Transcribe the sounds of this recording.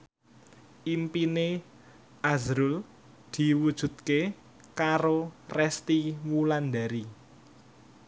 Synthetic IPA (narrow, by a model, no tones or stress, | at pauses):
ʔimpine | azɾul | d̪̥i̤wud̥ʒ̥ṳt̪̚ke | kaɾorɛst̪imuland̪aɾi